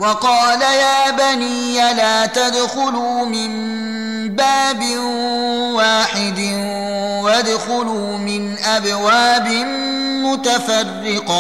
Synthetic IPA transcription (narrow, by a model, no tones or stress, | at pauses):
wɑqɑːlajaːbaniːjalaːt̪ad̪xʊlumɪm | baːbɪ | waːħɪd̪ | wad̪xʊlu | mɪnʔabwaːbɪn | mʊt̪afarːɪqɑ